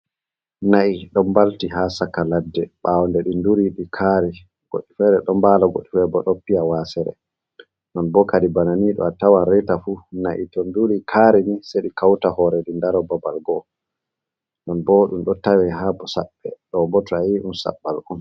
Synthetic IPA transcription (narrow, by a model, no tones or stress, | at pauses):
naiɗɔmbaltiɦasakaladːɛɓawndɛɗinduɾiɗikʰaɾi | ɡ̥oɗːifɛɾɛɗɔmbaːlaɡo̰ɗːifɛbɔɗɔpːijawasɛɾɛ̰ | nɔnbɔkadibananiɗɔ̰atawanɾɛtafunaʔḭtɔnduɾikʰaːɾiniseɗikawtahɔɾɛɗindaɾɔbabalɡɔ | nɔnbɔɗumɗɔtawɛɦabɔsaɓːɛɗɔmbɔtʰaiɗunsa̰ɓːalun